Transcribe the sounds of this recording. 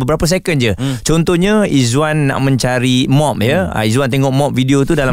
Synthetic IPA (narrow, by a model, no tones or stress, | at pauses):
bəbəɾapəs̬ekənd͡ʒət͡ʃɔnt̪ɔɲãizwanːa̰ʔmə̃ɲt͡ʃaɾimɔ̃p̚jə̰izwant̪eŋɔʔmɔp̚fidiot̪udala